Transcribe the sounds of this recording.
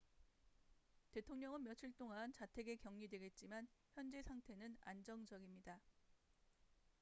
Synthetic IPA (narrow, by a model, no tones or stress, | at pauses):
te̞tʰoŋɲʌŋɯnmjʌt͡ɕʰiɭt͈oŋant͡ɕatʰe̞ɡe̞kjʌŋɲidwe̞ɡe̞t̚t͡ɕ͈imançjʌnd͡ʑe̞sʰaŋtʰe̞nɯna̰nd͡ʑʌŋd͡ʑʌɡimɲida